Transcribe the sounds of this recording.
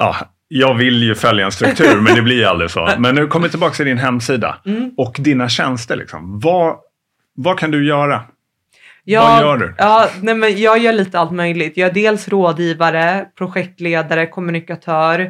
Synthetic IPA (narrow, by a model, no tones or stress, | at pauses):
ɑ̰ː | jɑːɡvɪljɵfœljaɛnst̪ɾɵkt̪ʰʉ̟ːɾmɛnd̪ɛblɪɾa̰ld̪ɾɪso̰ːmɛnːʉkʰɔmːɪt̪ʰːɪlbɑːkst̪ʰɪld̪ɪnɦɛmːsiːd̪a̰ɔkd̪inaɕɛnst̪əɭʔɪ̰ksɔ̰mvɑ | vakʰand̪ɵjœːɾa | jɑaːjœːɖɵ̰ɑːnɛmɛnjɑːɡjœːɭiːt̪əalt̪mœjlɪt̪jɑːæɖeːlsɾoːd̪jiːvaɾəpʰɾʊɧɛk̚t̪leːd̪aɾəkʰɔmɵnɪkat̪ʰœːɾ